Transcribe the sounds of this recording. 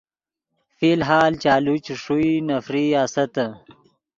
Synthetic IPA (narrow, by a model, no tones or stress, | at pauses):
filɦaːlt͡ɕaːlut͡ɕʂuinɐfɾiaːsɐt̪ə